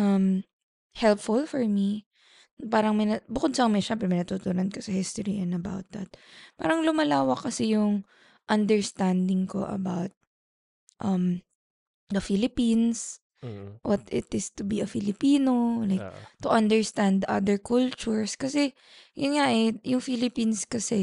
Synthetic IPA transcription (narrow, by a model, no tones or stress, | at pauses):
ʔɐm | hɛlpfʊlfɔɹmi | paːɾɐŋmɐjnɐbʊkod̪sɐŋmɐʃɛmpɾɛmɐjnɐt̪uːt̪unɐnkosɐhist̪oɹiʔɛ̃nd̪ɐba̰wt̪̚d̪ɐ̰t̪̚pa̰ːɾɐŋlʊmɐlaːwɐkːɐsɛjʊŋ | ʔɐnd̪ɛɹst̪and̪ɪŋko̰ʔɐ̰bawt̪̚ | ʔɐm | d̪ɐfilɪpins | wɐt̪ɪt̪ɪst̪ʊbiɐfɪlɪpiːnolajk̚t̪ʊʔɐnd̪ɛɹst̪ãnd̪ʔɐ̰d̪ɛɹkʰult͡ʃʊɹskɐsɛ | jʔʊnŋaʔɛjʊŋfilɪpinskɐsɛ